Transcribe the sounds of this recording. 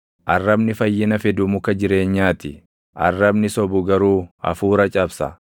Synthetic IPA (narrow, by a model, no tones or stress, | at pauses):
ʔɐrːɐbnɪfɐjːɪnɐfɛd̪ʊmʊkɐd͡ʒɪɾe̞ːɲːaːt̪ɪ | ʔɐ̰rːɐbnɪsɔbʊɡɐɾuːɐ̰fuːɾɐt͡ʃʼɐbsɐ̰